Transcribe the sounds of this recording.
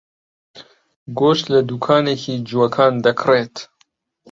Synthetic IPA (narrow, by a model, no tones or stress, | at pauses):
ɡoːʃt̪lɐd̪uːkʰɑːnekiːd͡ʒuwɐkʰɑːnd̪ɐkʰreːt̪